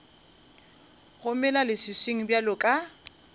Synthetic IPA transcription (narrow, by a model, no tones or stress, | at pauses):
ɣʊmɛlalɪsɪsweŋ̩bjalʊkʼa